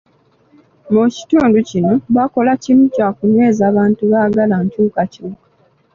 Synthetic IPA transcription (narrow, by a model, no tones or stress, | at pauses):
muci̥tuːnducinoβako̞lacimucaːkuɲe̞ːzaːβaːntuβaːɡalaɲcuːkacuːkḁ